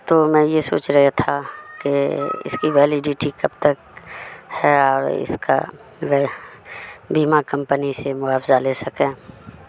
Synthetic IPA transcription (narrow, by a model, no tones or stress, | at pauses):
t̪oːmɛ̃ːjeso̰ːt͡ʃɾɐɦet̪ʰakeɪ̰skiʋɛːlɪɖɪʈikɐbt̪ək̚ | hɛɔːɾɪ̰ska̰ | ʋɛ | biːmakɐ̃mpənisemʊaːfzaleːsɐkẽː